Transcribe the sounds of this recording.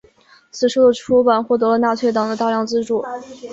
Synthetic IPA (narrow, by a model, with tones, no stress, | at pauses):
t͡sʰɹ̩˨˩ʂu˥˩d̪ə˩ʈ͡ʂʰu˥pa˨˩nxwɔ˥˩t̪ɤ˧˥lə˧na˥˧t͡ɕʰɥɛ˥˩t̪ɑ˨˩ŋd̪ə˧t̪a˥˧ljɑ˥˧ŋt͡sɹ̩˥˧ʈ͡ʂu˥˩